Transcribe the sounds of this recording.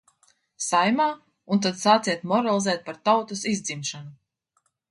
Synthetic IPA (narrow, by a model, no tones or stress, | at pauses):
sajmaː | unt̪̬ad̪saːt̪siɛt̪mɔɾalˠizɛːt̪̚paɾt̪awt̪usizd̪zimʃanu